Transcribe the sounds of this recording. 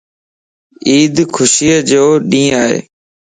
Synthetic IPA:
iːd̪kʰʊsiːəd͡ʒoːɗĩːaːɦḛː

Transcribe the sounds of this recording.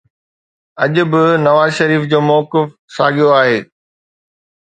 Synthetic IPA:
ɐʄʊ̆bɪnɐʋaːzʃɐɾiːfd͡ʑoːmɔːkɪf | saːɠijoaːɦeː

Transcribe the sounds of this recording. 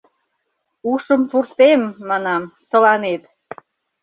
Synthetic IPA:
uʃəmpurt̪emːɑnɑmt̪ə̆lɑnet̪

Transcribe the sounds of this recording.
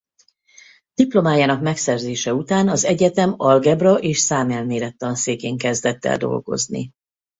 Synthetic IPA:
d̪̥iplo̞maːjaːnɒkmɛksɛrzeːʃɛut̪aːnɒzɛɟɛt̪ɛmɒlɡɛbrɒʔeːʃsaːmɛlmeːɾɛt̪ːɒnseːkeːŋkɛzd̪ɛt̪ːɛ̰ld̪o̞̰lɡo̞̰znḭ

